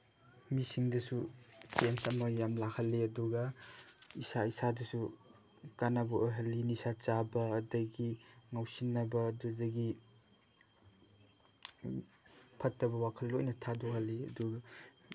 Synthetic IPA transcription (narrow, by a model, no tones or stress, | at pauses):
misiŋdɐsut͡ʃensɐmɐjamlakʰɐlːeɐduɡɐ | isaisadɐsu | kanabooɦɐlːinisat͡ʃabɐːdɐɡiŋawsinːɐbɐːdudɐɡi | pʰɐtːɐbɐwakʰɐlːojnɐtʰadɔhɐlːiɐ̰duɡɐ